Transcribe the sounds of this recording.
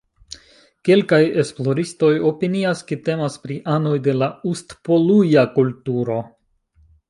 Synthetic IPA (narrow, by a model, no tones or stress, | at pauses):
ke̞lkaje̞splo̞ɾisto̞jo̞piniaskete̞maspɾiʔano̞jde̞laustpo̞lujakultuɾo̞